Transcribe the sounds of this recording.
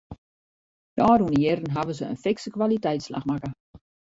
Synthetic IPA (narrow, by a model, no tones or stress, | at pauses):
d̥ɔːɾunəjɪrən̩ɦaʋəzəə̰nfɪksəkʋalitɛjtsla̰xmakə